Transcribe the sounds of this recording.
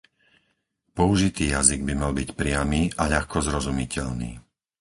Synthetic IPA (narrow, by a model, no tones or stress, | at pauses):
pɔuʒit̪iːjaziɡbimalbicpɾɪamiːʔaʎaxkɔzɾɔzumicɛʎnḭː